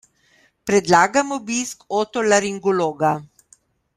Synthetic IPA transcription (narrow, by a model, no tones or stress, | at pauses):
pɾɛd̪laːɡamɔbiskoːt̪ɔlaɾiŋɡɔloːɡa